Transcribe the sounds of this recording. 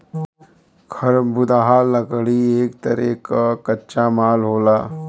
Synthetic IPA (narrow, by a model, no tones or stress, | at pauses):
kʰɐɾbʊd̪aːɦanɐɡɭieːkt̪ɐɾḛːkakɐtːt͡ʃamaːlɦoːlaː